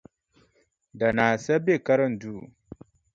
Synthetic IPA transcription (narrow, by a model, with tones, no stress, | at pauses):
da˨naː˨sɛ˦be˦˨ka˦ɾə˦˨n̩˨duː˦˨